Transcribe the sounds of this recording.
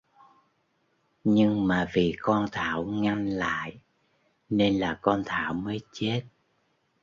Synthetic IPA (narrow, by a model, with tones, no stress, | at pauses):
ɲɨ˧ŋmaː˨˩vi˨˩kɔ˧nt̪ʰa̰ː˧˨wŋa˧ŋla̰ː˧˨j | ne˧nlaː˨˩kɔ˧nt̪ʰa̰ː˧˨wməː˨˦jt͡ɕe˦˥t̚